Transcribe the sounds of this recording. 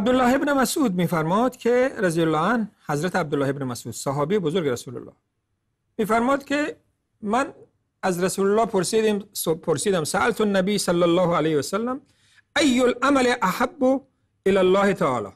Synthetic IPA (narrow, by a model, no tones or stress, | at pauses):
ʔab̚d̪ʊlːɑːhebnemasʔuːd̪̚miːfæɾmɒːd̪kʰeɾazijolːɑːanhæzɾat̪ʰeæb̚d̪ʊlːɑːhebnemasuːd̪saɦɒːbibozoɾɡeɾasula̰lːɑ̰ | miːfæɾmɒːd̪kʲʰe | man | æzɾasuːlʊlːɑːpʰoɾsid̪ipʰoɾsiːd̪amsaʔalt̪ʰʊnːabiːsalːalːɑːhalejhwasalːam | ajːolʔamaleʔahabːʊ | ɪlalːɑːhet̪ʰaɑ̰ːlɑ̰